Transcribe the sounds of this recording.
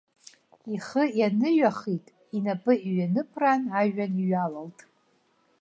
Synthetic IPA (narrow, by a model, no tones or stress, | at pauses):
iχəjanɨɥaχitʼ | inapʼɨiɥanɨpʰranaʒᶣaniɥalaltʼ